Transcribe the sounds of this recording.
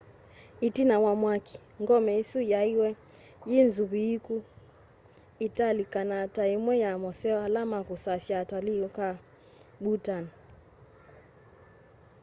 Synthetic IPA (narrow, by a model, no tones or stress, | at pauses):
itinawamwaki̥ | ŋɡɔmɛisujaiwɛ | jinzuβiiku | italikanataimwɛjamɔsɛwalamakusasiataliɔka | ɓutan